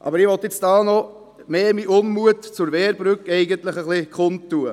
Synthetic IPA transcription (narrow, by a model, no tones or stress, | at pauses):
ʔɑ̰bəɾɪʋɔt̪ɪt͡sd̥ɑːnɔ | meːmiʔʊnmuətt͡sʊɾʋɛːɾbɾʏkɛɪɡənt̪ləχəχlikχʊntːuə